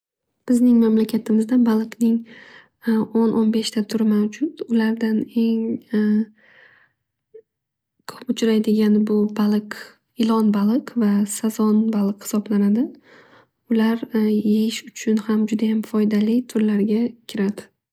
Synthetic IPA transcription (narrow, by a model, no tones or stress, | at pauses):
b̥ɪznɪŋmamlakʲʰat̪ʰɪmɪzd̪abalˠɨqnɪŋ | onʔonbe̞ʃt̪ʰat̪ʰʊɾɪmawd͡ʒʊt̪ʊlaɾd̪ane̞ŋ | kʰo̥pʊt͡ʃʰɾajd̪ɪɡʲanɪbʊbalˠɨq | ɪlˠɒnbalˠɨqvasazɒnbalˠɨqhɪ̥sɒblanad̪ɪ | ʊlaɾjejɪʃʊt͡ʃʰʊnhamd͡ʒʊd̪ajamfɒjd̪alɪt̪ʰʊɾlaɾɡʲakʲʰɪɾad̪ɪ̥